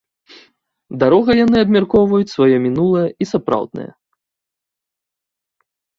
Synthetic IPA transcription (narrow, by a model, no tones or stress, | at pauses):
d̪aɾɔɣɐjanɨɐbmʲarkɔwvɐjut͡sʲsvajɔmʲinulˠɐjɐisapɾa̰wd̪nɐ̰jɐ̰